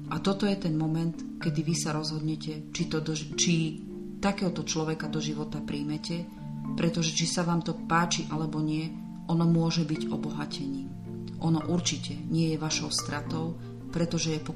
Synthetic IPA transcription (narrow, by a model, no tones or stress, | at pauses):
ʔat̪ɔt̪ɔjɛt̪ɛnmɔmɛnt̪ | kɛd̪iʋisaɾɔzɦɔd̪ɲɛcɛ | t͡ʃit̪ɔd̪ɔt͡ʃi | t̪akɛːɦɔt̪ɔt͡ʃlɔʋɛkad̪ɔʒiʋɔt̪apɾiːmɛcɛ | pɾɛt̪ɔʒɛt͡ʃisaʋaːmt̪ɔpaːt͡ʃiʔalɛbɔɲɪɛ | ʔɔnɔmʊɔʒɛbiɟɔbɔɦacʰɛɲiːm | ʔɔnɔʔuɾt͡ʃicɛɲɪɛjɛʋaʃɔʊst̪ɾat̪ɔʊ | pɾɛt̪ɔʒɛjɛpɔ